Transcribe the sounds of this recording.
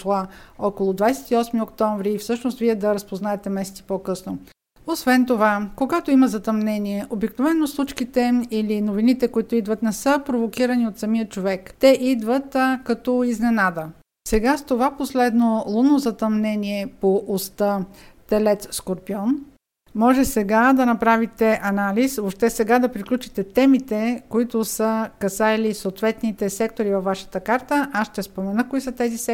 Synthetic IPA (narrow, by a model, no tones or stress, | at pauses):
ʃlˠaɔkolˠod̪vajsɛ̥t̪iɔsmiokt̪ɔɱvɾiːfsɤʃnost̪viɛd̪ɐɾəspoznaɛt̪ɛmɛsɛt̪si̥pɔkɤsno | osvɛnt̪ovakoɡat̪oimɐzɐt̪ɐmnɛniɛʔobiknovɛnːoslˠut͡ʃkit̪ɛilinovinit̪ɛkoit̪oid̪vət̪nɛsɤpɾovokiɾəniot̪sɐmiət͡ʃovɛkt̪ɛʔid̪vət̪kɐt̪ɔiznɛnad̪ə | sɛɡast̪ovaposlɛd̪nolˠunːozɐt̪ɐmnɛniɛpoʔost̪ət̪ɛlɛt̪sskoɾpiɔn | mɔʒɛsɛɡad̪ɐnɐpɾavit̪ɛʔɐnalisoʃt̪ɛsɛɡad̪ɐpɾiklʲut͡ʃit̪ɛt̪ɛmit̪ɛkoit̪ʊsəkɐsajlisoːt̪vɛt̪nit̪ɛsɛkt̪oɾivɐfːaʃə̥t̪əkaɾt̪əʔasʃt̪ɛspomɛnəkoisət̪ɛzisɛ